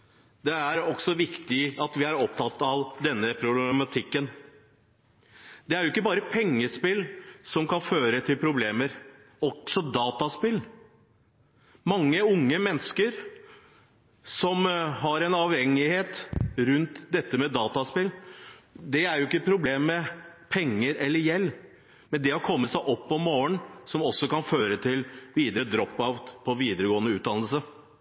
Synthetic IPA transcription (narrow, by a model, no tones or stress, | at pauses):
d̪ɛæɾɔksɔʋɪkt̪ɪɑt̪ʋɪæɾɔp̚t̪ʰɑt̪ːɑʋd̪ɛnːəpʰɾʊblɛmɑt̪ʰɪkːən | d̪ɛæɾjʊɪkːəbɑːɾəpʰɛŋːəspɪlsɔmkɑnføːɾət̪ʰɪlpʰɾʊbleːməɾ | ɔksɔd̪ɑːt̪ɑspɪl | mɑŋːəʊŋːəmɛnːskəɾ | sɔmɦɑɾɛnɑʋhɛŋːɪheːt̪ɾʉnt̪d̪ɛt̪ːəmɛd̪ɑːt̪ɑspɪlː | d̪ɛæɾjʊɪkːəpʰɾʊbleːmːɛpʰɛŋːəɾɛlːəɾjɛlː | mɛnd̪ɛɔkʰɔmːəsæɪʔɔpːɔmoːənsɔmɔsːɔkɑnføːɾət̪ʰɪlʋiːd̪əɾəd̪ɾɔpːɑʋpʰɔʋiːd̪əɾəɡoːənəʉːd̪ɑnl̩sə